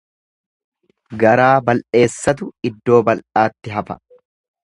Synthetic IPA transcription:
ɡɐɾaːbɐlʔe̞ːsːɐt̪̬ʊɪd̪ːo̞ːbɐlʔaːt̪ːɪɦɐfɐ̥̰

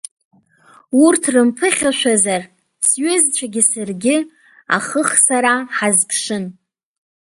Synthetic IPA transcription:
urtʰrɨmpʰɨχʲaʃʷᶣazar | sɥʊzt͡ʃʷʰʼaɡʲɪsarɡʲɪ | a̰χəχsaɾaħazpʰʂɨn

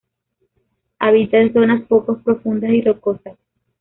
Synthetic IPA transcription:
aβit̪aenso̞naspokospɾo̞fund̪asirokosas

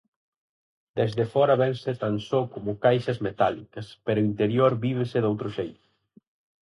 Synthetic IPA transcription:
d̪ɛzdefɔɾɐβɛnset̪ansokomʊkajʃɐzmet̪alikɐspeɾʊint̪eɾjoɾbiβ̞esɪðowt̪ɾʊʃejt̪ʊ

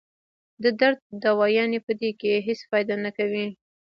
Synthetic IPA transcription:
d̪əd̪aɾd̪̚ːawɑjɑnepəd̪ekeɦespɑjd̪ɑnakawi

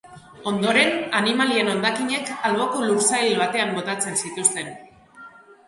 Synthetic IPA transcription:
o̞nd̪o̞ɾe̞nanimalie̞no̞nd̪akiɲe̞kalβo̞ko̞luɾsajlβat̪e̞ambo̞t̪at͡se̞nsit̪ust̪e̞n

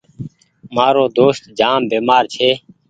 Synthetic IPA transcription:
maːɾoːd̪oːst̪d͡ʒaːmbeːmaːɾt͡ʃʰeː

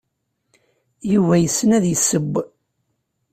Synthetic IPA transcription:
juvæjəsːənæðjəsːəbː

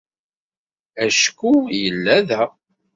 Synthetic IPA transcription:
æʃkːujəlːæðæ

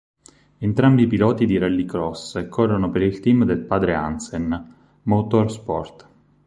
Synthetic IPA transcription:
ent̪ɾambiːpilɔːt̪id̪iɾɛlːikɾɔskʰorːonopeɾilt̪imd̪elpaːd̪ɾea̰nsen | mot̪orspɔ̰rt̪

